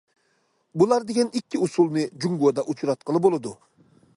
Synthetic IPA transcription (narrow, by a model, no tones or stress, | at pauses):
bulˠɑɾd̪eɡʲɛnikʲːiusulˠnɨd͡ʒuŋɡod̪ɑʔut͡ʃʰɾɑt̪̚qəlˠɨbolˠɨd̪u